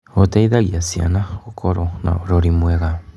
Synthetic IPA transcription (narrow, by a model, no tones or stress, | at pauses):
ot̪eiðaɣiasia̰naokʰoɾona̰oɾoɾimweɣa